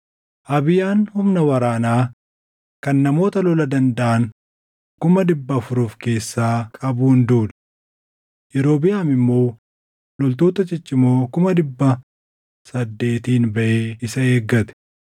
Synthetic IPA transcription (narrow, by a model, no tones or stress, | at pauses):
ʔɐbɪjaːnhʊmnɐwɐɾaːnaː | kɐnːɐmo̞ːt̪ɐlɔlɐd̪ɐnd̪ɐʔɐn | kʊmɐd̪ɪbːɐfʊɾʊːfke̞ːsːaːkʼɐbuːnd̪uːl | jɛɾo̞ːbɪjaːmɪmːo̞ː | lɔlt̪oːt̪ɐt͡ʃɪt͡ʃʼːɪmoːkʊmɐd̪ɪbːɐ | sɐd̪ːe̞ːt̪iːnbɐʔeːɪsɐeːɡːɐt̪ɛ̥